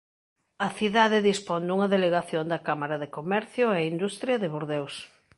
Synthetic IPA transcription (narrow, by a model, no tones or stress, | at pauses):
ɐθiðaðɪðispond̪uŋɐðeleɣaθjond̪ɐkamaɾaðekomɛɾθjʊɛind̪ust̪ɾjɐðɪβoɾðews